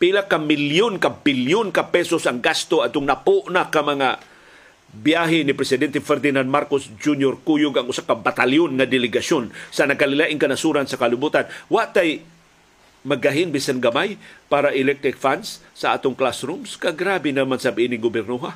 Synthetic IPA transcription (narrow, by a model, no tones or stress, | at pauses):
pilakːamɪljʊnkabɪljʊnkapɛsosaŋɡast̪oad̪̚t̪ʊŋnapoʔnakamɐŋa | bjaɦɪnɪpɾɛsɪd̪ɛnt̪ɛfɛɾd̪ɪnand̪maɾkosd͡ʒunjoɾkujʊɡaŋʊsakabat̪aljonŋad̪ɪlɪɡasonsɐnaɡalɪlaʔɪŋkanasuɾansakalɪbut̪anwaʔt̪aj | mɐɡaɦɪnbisanɡamajpaːɾaʔɪlɛk̚t̪ɾɪk̚fansːaʔa̰ːt̪ʊŋklasɾumskaɡɾabɪnamansabɪnɪɡʊbɛɾnuɦa